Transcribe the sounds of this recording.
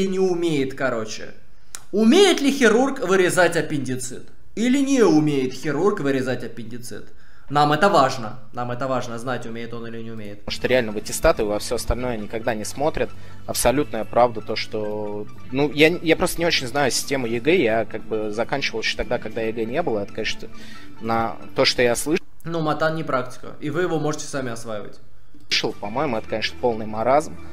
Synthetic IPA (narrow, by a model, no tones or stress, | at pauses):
ɪnʲɪʊmʲejɪt̪kɐɾo̞t͡ɕɪ̰ | ʊmʲejɪt̪lʲɪxʲɪɾurkvɨɾʲɪzatʲɐpʲɪnʲdʲɪt̪sɨ̰t̪ | ilʲɪnʲɪʊmʲejɪt̪xʲɪɾurkvɨɾʲɪzatʲɐpʲɪnʲdʲɪt̪sɨ̰t̪ | namɛt̪əvaʐnə | namɛt̪əvaʐnəznatʲʊmʲejɪt̪o̞nɨlʲɪnʲɪʊmʲejɪt̪ʂt̪oɾʲɪalʲnəvɨtʲɪst̪at̪ɨvɐfsʲoɐst̪ɐlʲno̞jənʲɪkɐɡ̚d̪anʲɪsmo̞t̪ɾʲɪt̪̚ | ɐpsɐlʲut̪nəjəpɾavd̪ət̪o̞ʂt̪o̞ | nujajapɾo̞st̪ənʲɪo̞t͡ɕɪnʲznajʊsʲɪ̥sʲtʲe̞mʊjɪɡɛjakaɡ̚bɨzɐkanʲt͡ɕɪvəlˠɕo̥t̪ɐɡd̪akɐɡ̚d̪ajɪɡɛnʲe̞bɨlˠəɛt̪ə̥kɐnʲeʂnə | nɐ | t̪o̞ʂt̪ojaslˠɨ | numɐt̪annʲɪpɾaktʲɪ̥kə̰ivɨjɪvomo̞ʐɨtʲɪ̥samʲɪɐsvajɪvə̰tʲ | ʂəlˠpɐmo̞jɪmʊɛt̪ə̥kɐnʲeʂnə̥po̞lˠnɨjmɐɾazm